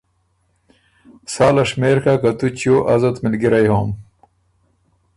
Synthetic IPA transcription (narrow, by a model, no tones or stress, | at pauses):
saːlɐʂmeːɾkakɐt̪ut͡ɕjoːʔɐzɐt̪milɡiɾɐjɦoːm